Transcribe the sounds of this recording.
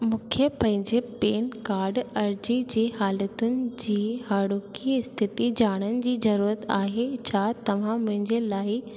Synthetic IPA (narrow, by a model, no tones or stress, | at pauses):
mũːkʰjəpɐ̃ɦɪ̃ɲd͡ʑepeːnkaːɾɖɐɾd͡ʑid͡ʑiːɦaːlət̪ʊnɪ̆d͡ʑiːhaːɽoːkiɪst̪ʰɪt̪id͡ʑaːɽ̃ənɪ̆d͡ʑiːzɐɾuːɾət̪aːɦet͡ɕʰaːt̪ɐʋ̤ãmʊ̃ɦɪ̃ɲd͡ʑelaːɪ